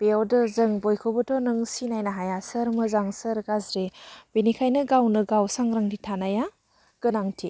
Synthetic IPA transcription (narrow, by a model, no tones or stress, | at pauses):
b̥eɔdɯzɯŋbojkʰobɯtʰɔnɯŋsinajnaɦajasəɾmɯzaŋsəɾɡazɾeb̥inikʰajnɯɡawnɯɡawsaŋɾaŋditʰanaja | ɡ̥ɯnaŋtʰi